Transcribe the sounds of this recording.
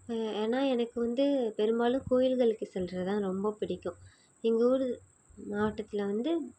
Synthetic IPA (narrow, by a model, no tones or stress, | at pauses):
eːnːaːɛnɐkːɯʋɐnd̪ɯpɛɾɯmbaːlɯ̃koːjɪlɣɐɭɯkːɯsɛlɾɐt̪ãːɾɔmbɐpɪɽɪkːʊ̃ | ɪŋɡɐuːɾɯ | naːʈːɐt̪ːɪlɐʋɐnd̪ɯ